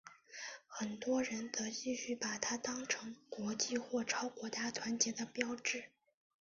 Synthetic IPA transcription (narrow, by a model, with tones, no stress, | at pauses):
xə˨˩nt̪wɔ˥ɻə˧˥nt͡s̪ɤ˧˥t͡ɕi˥˧ɕy˥˩pa˨˩t̪ʰa˥t̪ɑ˥ŋʈ͡ʂʰɤ˧˥ŋkwɔ˧˥t͡ɕi˥˧xwɔ˥˩ʈ͡ʂʰɑ˥ʊkwɔ˧˥t͡ɕja˥t̪ʰwa˧˥nt͡ɕjɛ˧˥d̪ə˧pjɑ˥ʊʈ͡ʂɻ̩˥˩